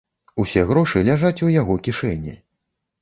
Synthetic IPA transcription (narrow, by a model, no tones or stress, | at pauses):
usʲɛɣɾɔʂɨlʲaʐat͡sʲujaɣɔkʲiʂɛnʲːḭ